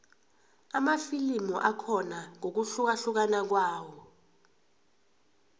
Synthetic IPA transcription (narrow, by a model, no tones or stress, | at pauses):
amafilimuʔakʰɔnaŋok̬uɬuk̬aɬuk̬anak̬waːwɔ